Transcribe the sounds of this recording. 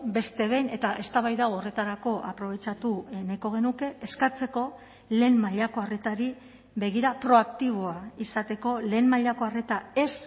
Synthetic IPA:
be̞st̪e̞β̞e̞jne̞t̪aʔe̞st̪aβ̞ajðaore̞t̪aɾako̞ʔapɾo̞β̞e̞t͡ʃat̪unajko̞ɣ̞e̞nuke̞ʔeskat͡se̞ko̞ | le̞ːmmaʎako̞are̞t̪aɾi | βe̞ɣ̞iɾapɾo̞akt̪iβ̞o̞aisat̪e̞ko̞le̞ːmmaʎako̞are̞t̪ae̞s

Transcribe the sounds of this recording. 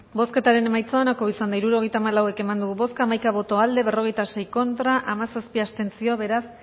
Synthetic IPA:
bo̞ske̞t̪aɾe̞ne̞majt͡saonako̞βisand̪aiɾuɾo̞ɣe̞jt̪aːmalawe̞ke̞mand̪uɣuβo̞skaːmajkaβ̞o̞t̪o̞ald̪e̞β̞e̞ro̞ɣ̞e̞jt̪ase̞jko̞nt̪ɾaʔamasaspiast̪e̞nt͡sio̞aβe̞ɾas

